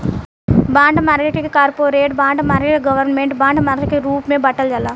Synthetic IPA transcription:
baːɳɖmaːɾkeʈkikaːɾpoːɾeːʈ̚baːɳɖmaːɾkeʈɡɐʋɐɾnmeɳʈbaːɳɖmaːɾkekɾuːpmeːbɐʈːɐld͡ʒɐlːa

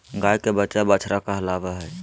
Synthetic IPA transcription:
ɡajkebətːt͡ʃabət͡ʃʰɾakəɦlabɛɦəj

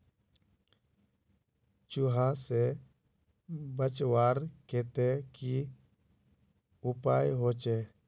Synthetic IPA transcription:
t͡ʃuɦase | bət͡ʃwaːɾkeːt̪eki | ʊpaːjɦoːt͡ʃeː

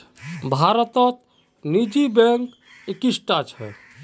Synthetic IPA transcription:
bʱaɾət̪ət̪ | nid͡ʒibɛ̃ŋk | ekisʈat͡ʃʰɦɛ̰

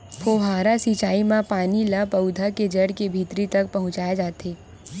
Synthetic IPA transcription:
pʰoːɦaːɾasiːt͡ʃaːimãpaːnilapɐʊd̪ʱaked͡ʒɐɽkebʱiːt̪ɾit̪ɐk̚pɐɦʊ̃t͡ʃaːjad͡ʒaːt̪eː

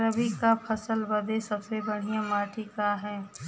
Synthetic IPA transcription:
ɾəbikapʰəsəlbəd̪esəbsebəɽ̤ijãmaːʈʰikaɦɛː

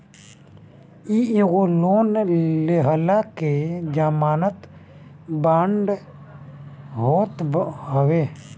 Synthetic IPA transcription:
ieɣoloːnleɦəlaked͡ʒaːmaːnət̪ | baːɳɖ | ɦoːt̪ɦəweː

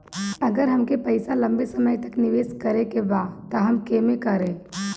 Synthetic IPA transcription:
ɐɡəɾɦɐmkepɐɪsalɐ̃mbesɐməjt̪ɐknɪʋeːskɐɾekebat̪ɐɦɐmkemẽkɐɾẽː

